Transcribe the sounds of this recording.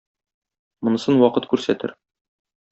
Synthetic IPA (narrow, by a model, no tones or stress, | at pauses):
mɤ̆nɤ̆sɤnwɒqɤt̪kʉɾsæt̪ɘ̰ɾ